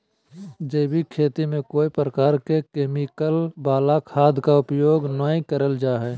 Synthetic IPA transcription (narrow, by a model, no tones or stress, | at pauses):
d͡ʒəɪbʱikʰeːt̪imẽkoːipɾəkaːɾkekeːmikəlbaːlakʰaːd̪ʱkaʊpjoːɡnãːkəɾəld͡ʒaːɦɛː